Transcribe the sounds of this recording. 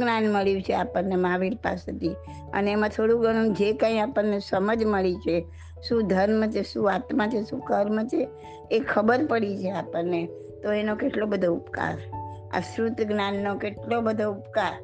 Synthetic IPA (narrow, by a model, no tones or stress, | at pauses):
ɡnanməɭjũt͡ʃʰeapəɾnemaʋilpa̰set̪i | ə̰neemãt̪ʰoɽũɡəɽ̃ũd͡ʒekə̃iapənnːesəməd͡ʒməɭit͡ʃʰe | ʃũd̪ʱəɾmt͡ʃʰeʃũat̪mãt͡ʃʰeʃũkəɾmt͡ʃʰeː | kʰəbəɾpəɽit͡ʃʰeapəɾne | t̪oenokeʈlobəd̪ʱoupka̰ɾa̰sɾut̪ɡnanːokeʈlobəd̪ʱoupkaɾ